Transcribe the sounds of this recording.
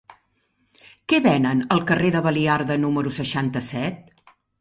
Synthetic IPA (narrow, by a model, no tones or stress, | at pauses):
kɛβɛnənəlˠkəreðəβəliaɾðənuməɾusəʃant̪əsɛt̪̚